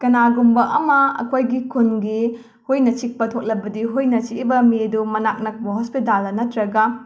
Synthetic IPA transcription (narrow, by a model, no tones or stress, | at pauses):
kɐnaɡumbɐʔɐmɐɐ̰kʰojɡikʰunɡi | hujnɐt͡ʃik̚pɐtʰok̚lɐbɐdiɦujnɐt͡ʃiibɐmidumɐnak̚nɐk̚bɐɦospitalːɐnɐtɾɐɡɐ